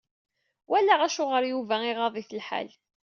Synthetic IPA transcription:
wælæʁæʃʊʁəɾjuvæɪʁɑðˤiθəlħa̰l

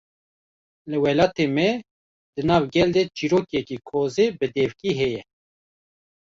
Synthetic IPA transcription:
lɨwɛlɑːt̪emɛ | d̪ɨnɑːvɡɛld̪ɛt͡ʃiɾoːkjɛkiːkʰoːzeːbɨd̪ɛvkiɦɛjɛ

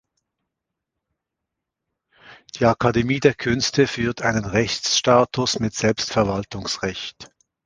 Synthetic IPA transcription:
d̥iːakʰademiːdeːɐkʰʏnstʰəfyːɐtʰaɪnənʁɛçsʃtaːtʊsmɪtz̥ɛlpstfɛɐvaltʊŋsʁɛçt

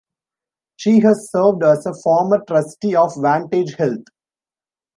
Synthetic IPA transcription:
ʃiːɦæzsəːɾʋɖæsəfɔːɾməɾʈɾʌsʈiɔːfʋæ̃ːɳʈed͡ʒhɛlt̪̚ʰ

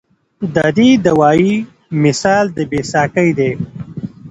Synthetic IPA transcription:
d̪ad̪id̪əwaːi | mɪsɑːld̪əbeːsɑːkəjd̪eː

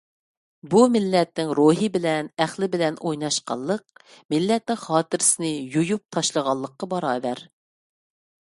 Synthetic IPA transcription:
bumɪlːɛt̪nɪŋɾoɦɨbɪlɛnæχlɪbɪlɛnojnɑʃqɑ̰lˠːəq̚mɪlːɛt̪̚nɪŋχɑːt̪ɪɾɪsɪnɪjujup̚t̪ʰɑʃlˠəʁɑlˠːəqːɑbɑɾɑːbɛɾ

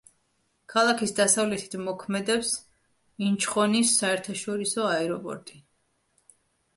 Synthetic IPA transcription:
kʰalˠakʰisd̪asavlɛt̪ʰi̥t̪ʰmɔkʰmɛd̪ɛps | int͡ʃʰχɔnisːaɛɾt̪ʰaʃɔɾisɔaɛɾɔpʼɔ̰ɾt̪ʼi

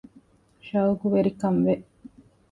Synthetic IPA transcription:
ʃaːuɡuʋeɾikɐmʋe

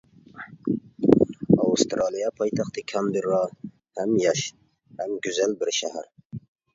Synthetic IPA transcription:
ɑwust̪ɾʔɑlˠijɑpʰɑjt̪ʰɑχt̪ʰɨkʲʰɑnbiɾːɑ | hæmjɑʃ | hæmɡʲʊzælbɪɾʃæhæɾ

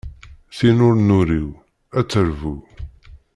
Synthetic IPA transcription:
θinʊɾnuɾiw | æt͡sːəɾvu

